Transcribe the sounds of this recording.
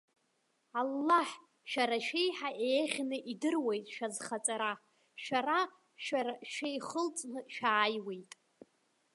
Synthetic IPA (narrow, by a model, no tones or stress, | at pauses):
alːaħ | ʃaɾaʃejħaʔeːχʲnɨʔidɨrwejtʼʃazχat͡sʼaɾa | ʃara | ʃaaʃejχəlt͡sʼnɨʃaːjwe̞jtʼ